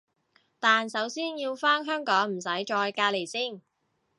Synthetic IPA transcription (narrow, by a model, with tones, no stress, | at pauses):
t̪aː˨nsɐ˨˥wsiː˥njiː˧wfaː˥nɦœː˥ŋkɔː˨˥ŋm̩˨˩s̬ɐ˨˥jt͡ʃɔː˧jkaː˧le˨˩jsiː˥˩ŋ